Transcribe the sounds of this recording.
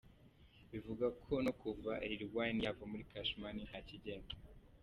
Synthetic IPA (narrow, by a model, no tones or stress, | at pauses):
βivuɡakʰo̞nokuvaʔiɾiɾɡwanijavomuɾikaʃmaninhaciɟeːnde